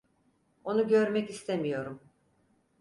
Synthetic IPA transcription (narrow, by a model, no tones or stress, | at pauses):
o̞nuɟø̞ɾmɛcist̪ʰemijo̞ɾum